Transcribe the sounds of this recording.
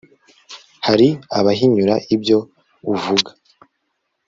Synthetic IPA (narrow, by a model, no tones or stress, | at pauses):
haɾiaβaɦiɲuɾaʔibjo̞ | uvuɡa